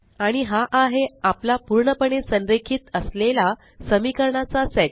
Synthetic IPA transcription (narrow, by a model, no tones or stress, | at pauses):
aɽ̃iɦaʔaɦeaplapuɾɳəpəɳesənɾekʰiːt̪əslela | səmikəɾɳat͡sasek